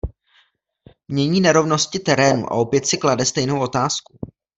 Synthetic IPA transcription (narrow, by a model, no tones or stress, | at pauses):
mɲɛɲiːnɛɾo̞vno̞scɪt̪ɛɾɛːnṵʔa̰ʔo̞pjɛt̪sɪkladɛst̪ɛjno̞wʔo̞t̪aːsku